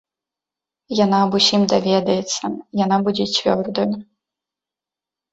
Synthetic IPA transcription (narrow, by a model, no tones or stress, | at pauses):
janaːbusʲimd̪avʲɛd̪ɐjɛt̪sːɐjanabud͡zʲɛt͡sʲvʲɔrd̪ɐj